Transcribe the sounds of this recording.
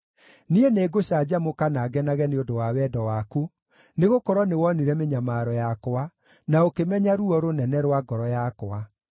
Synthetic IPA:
nieneːɡoɕad͡ʑamokanaːɡɛnaɣɛneondowawɛdɔwaku | neɣokɔɾwɔnewɔniɾɛmeɲamaɾɔjakoa | naokemɛɲaɾuɔɾonɛnɛɾwaɡɔɾɔjakwa

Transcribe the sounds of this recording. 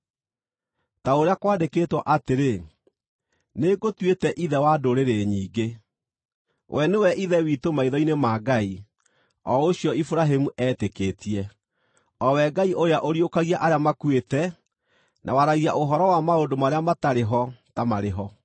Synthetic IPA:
taoɾeakwaːdekeːtwɔʔateɾe | neɡotwetɛʔiðɛwadoɾeɾeɲiːɡe | wʔɛnewɛʔiðɛwitomaiðɔinemaɡai | ɔoɕiɔifuɾaɦemuʔɛteketiɛ | ɔwɛɡaiʔojaʔoɾiokaɣiaʔaɾeamakwetɛ | nʔa̰waɾaɣiaʔoɦɔɾɔwamaondomaɾeamataɾeɦɔtamaɾeɦɔ

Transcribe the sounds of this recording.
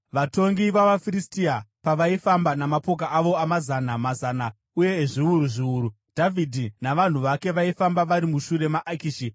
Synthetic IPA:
ʋato̞ŋɡiʋaʋafiristiapaʋaifambanamapo̞k̬aʔaʋo̞amazanamazaːna | uje̞ːʐiuɾuʐiuːɾu | dʱavʱidʱinaʋan̤uʋake̞ʋaifambaʋaɾimuʃuɾe̞maʔakiʃi

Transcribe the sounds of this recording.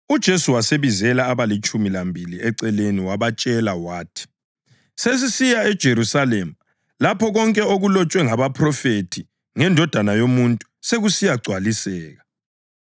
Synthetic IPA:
ud̥ʒ̥ʱesuwaseβizɛlaːβalit͡ʃʼumilambʱiliʔɛǀɛleniwaβat͡ʃʼɛlawaːtʰi̥ | ses̬isijaɛd̥ʒ̥ʱeɾusalemua | lapʰɔɣɔŋkʼɛoɣulɔt͡ʃʼwɛŋaβapʰrɔfetʰi | ŋɛndʱɔd̥ʱanajomuntʼu̥seɣusijaɡ͡ǀʱwalisɛːɣa

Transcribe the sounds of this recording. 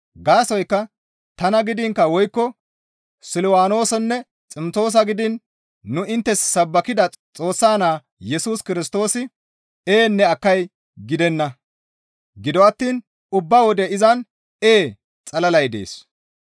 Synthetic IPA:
ɡaːsɔjkːɐ | t̪ɐnɐɡɪd̪ɪŋkːɐwɔjkːɔ | sɪlɪwaːno̞ːsɛnːɛ | t͡sʼɪmt͡so̞ːs̬ɐɡɪd̪ɪnː | ʊʔɪnt̪ːɛsːɐbːɐkɪd̪ɐ | t͡sʼo̞ːsːaːnaː | jɛsuːskɪɾɪst̪o̞ːsɪ | eːnːɛɐkːɐj | ɡɪd̪ɛnːɐ | ɡɪd̪ɔɐt̪ːiːn | ʊbːawɔd̪ɛɪzɐn | e̞ː | t͡sʼɐlɐlɐjd̪ḛːs

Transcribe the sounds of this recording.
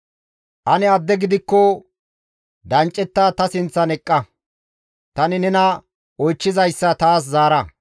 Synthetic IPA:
ʔɐnɪɐd̪ːɛɡɪd̪ɪkːɔ | d̪ɐnt͡ʃʼːɛt̪ːaːt̪ɐsɪnt͡sːɐnɛkʼːɐ | t̪ɐnɪnɛnɐ | ʔɔjt͡ʃːɪzɐjsːɐt̪aːs̬zaːɾɐ

